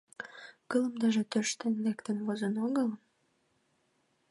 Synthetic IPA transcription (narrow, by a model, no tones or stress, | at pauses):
kələmd̪eʒĕt̪øʃt̪enlekt̪envozə̆noɣələm